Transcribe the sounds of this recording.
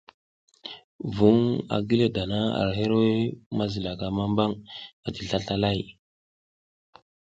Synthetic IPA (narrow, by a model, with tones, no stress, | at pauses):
vu˨˦ŋa̰˨ɡi˦le˦da˨na˦a̰˨ɾɦe˦ɾwe˦ma˦zi˨la˨ka˨ma˦mba˦ŋa˨ti˨ɬa˦ɬa˦la˦˨j